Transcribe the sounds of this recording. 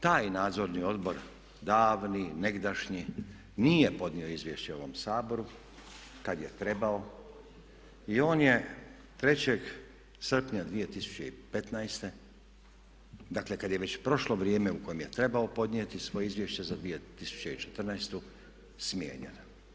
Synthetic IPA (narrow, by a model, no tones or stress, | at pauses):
t̪aːjnaːd̪zo̞ɾnio̞d̪bo̞ɾ | d̪aːʋnine̞ɡd̪aʃɲi | nije̞po̞d̪nio̞izʋjeʃt͡ɕeo̞ʋo̞msaːbo̞ɾu | kad̪je̞t̪ɾe̞bao̞ | io̞ːnje̞ | t̪ɾe̞t͡ɕeɡ | sr̩pɲad̪ʋije̞t̪isu̥t͡ɕeḭpe̞t̪najst̪e | d̪akle̞kad̪jeʋe̞t͡ɕpɾo̞ʃlo̞ʋɾjeːme̞uko̞jemje̞t̪ɾe̞baopo̞d̪niet̪isʋo̞jeizʋjeʃt͡ɕezad̪ʋijet̪isu̥t͡ɕe̞it͡ʃe̥t̪r̩najst̪u | smjḛːɲḛn